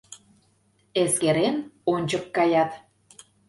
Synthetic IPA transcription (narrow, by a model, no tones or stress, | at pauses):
eskeɾenonʲt͡ɕəkːɑjɑt̪